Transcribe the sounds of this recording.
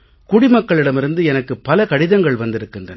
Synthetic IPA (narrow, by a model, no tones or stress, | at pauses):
kʊɽɪmɐkːɐɭɪɽɐmɪɾɯnd̪ɯɛnɐkːɯpːɐlɐkɐɽɪðɐŋɡɐɭʋɐnd̪ɪɾɯkːɯndrɐn